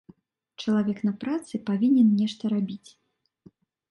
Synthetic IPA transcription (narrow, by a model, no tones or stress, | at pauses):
t͡ʂɐlˠavʲɛknɐpɾat̪sɨpavʲinʲɛnnʲɛʂt̪ɐɾabʲit͡sʲ